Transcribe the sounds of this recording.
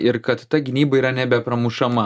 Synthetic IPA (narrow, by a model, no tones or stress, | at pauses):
ɪɾkɐt̪t̪ɐɡʲɪnʲiːbɐiːɾɐnʲɛbʲɛpɾɐmuʃɐmɐ